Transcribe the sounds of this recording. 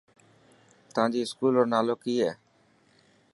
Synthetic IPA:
t̪ʋãːd͡ʑiːɪskuːloːɾnaːloːkiːɦɛː

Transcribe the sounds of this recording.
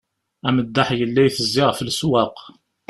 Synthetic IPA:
æməd̪ːaħjəlːæjθəzːɪʁfəlswɑq

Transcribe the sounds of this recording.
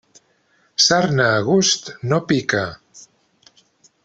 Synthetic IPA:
saɾnaːɣust̪nopika

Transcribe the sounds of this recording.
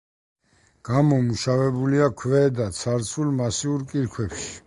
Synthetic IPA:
ɡ̥amɔmuʃavɛbuliakʰvɛd̪at̪sʰaɾt̪sʰulmasiuɾkʼiɾkʰwɛpʃi̥

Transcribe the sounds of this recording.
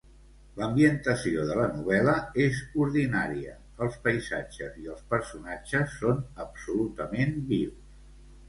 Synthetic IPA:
ləmbiənt̪əsioðələnuβ̞ɛləezuɾðinaɾiə̰ | əlˠspəjzad͡ʒəziəlˠspəɾsunad͡ʒəsːonəpsulut̪əmenbiws

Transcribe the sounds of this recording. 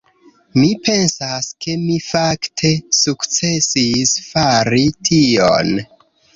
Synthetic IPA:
mipʰe̞nsaske̞mifaktʰe̞sukt͡se̞sisfaɾitʰio̰n

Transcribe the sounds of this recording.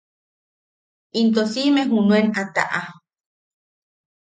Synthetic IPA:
int̪osimeɦunuenat̪a̰ʔa

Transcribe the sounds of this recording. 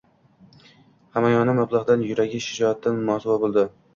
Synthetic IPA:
hamajɒnɪmablˠɑʁd̪anjʊɾaɡʲɪʃɪd͡ʒɒat̪ʰːanmɒsʊvabolˠd̪ɪ

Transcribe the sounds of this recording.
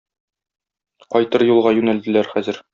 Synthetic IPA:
qɒjt̪ɤɾjulˠʁɑjʉnæld̪ɘ̆læɾχæzɘ̆ɾ

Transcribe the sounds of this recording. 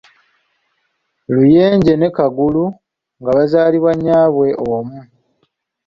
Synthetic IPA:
luje̞ːɲɟe̞ne̞kaɡulu | ŋɡaβazaːliβwaɲːaːβwe̞ʔomu

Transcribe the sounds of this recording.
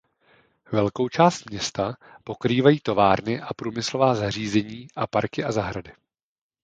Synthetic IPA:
vɛlko̞wt͡ʃaːst̪mɲɛst̪a | po̞kɾiːvajiːt̪o̞vaːɾnɪʔapɾuːmɪslo̞vaːzar̝iːzɛɲiːʔapaɾkɪʔazaɦɾadɪ

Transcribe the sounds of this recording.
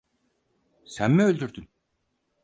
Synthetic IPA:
sænmɛø̞lʲd̪yɾd̪yn

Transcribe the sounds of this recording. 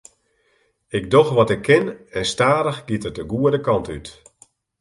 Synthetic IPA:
ɪk̚doxʋɔtɪkʰːɪnɛnstaːɾəxɡ̥itət̚dəɡuədəkɑntyt

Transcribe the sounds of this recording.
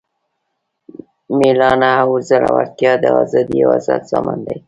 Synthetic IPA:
milɑnawuzəla̰waɾt̪jɑd̪əɑzɑd̪ijawazad̪sɑmand̪aj

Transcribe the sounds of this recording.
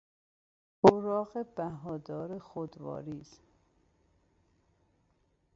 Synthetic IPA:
oɾɒːɣebæɦɒːd̪ɒːɾexod̪vɒ̰ːɾiːz̥

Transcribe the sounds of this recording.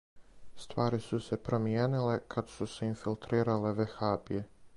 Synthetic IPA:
st̪ʋaːɾisuse̞pɾomieːnile̞kʰad̪suseinfilt̪ɾiːɾale̞ʋexaːbije

